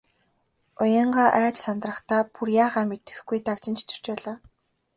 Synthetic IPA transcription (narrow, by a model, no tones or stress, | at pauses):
ʊjə̆ɴɢaːʔæːt͡ɕsant̪rə̆χt̪aːpurjaːʁaːmet̪ɘ̆xɡujt̪akt͡ɕɪ̆nt͡ɕʰt͡ɕʰɪ̥̆r̥t͡ɕpæːɮaː